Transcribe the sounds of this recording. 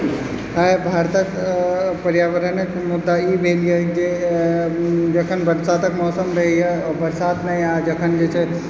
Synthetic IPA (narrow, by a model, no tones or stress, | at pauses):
ɦajbʱaɾt̪əkpəɾjaʋəɾənəkmud̪ːaibʱelijəd͡ʒe | d͡ʒəkʰənbəɾsaːt̪əkmɔsəmɾəɦəjɛɔbəɾsaːd̪najad͡ʒəkʰənd͡ʒet͡ʃʰe